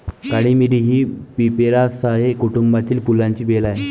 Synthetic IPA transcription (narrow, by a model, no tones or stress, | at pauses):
kaɽiːmiɽiɦiːpipeɾasaɦekuʈumbat̪iːlpulãɲt͡ɕiːʋelaɦe